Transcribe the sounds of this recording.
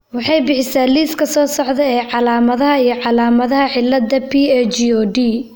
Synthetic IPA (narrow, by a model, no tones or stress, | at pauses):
wɑħɑjbɪħɪsaːliːskʰɐsɔːsɔʕd̪ɛɛːʕɑlaːmɐðɐɦɐijɞʕɑlaːmɐðɐɦɐħɪlːɐd̪ɐpʰiɛt͡ʃiɔːd̪iː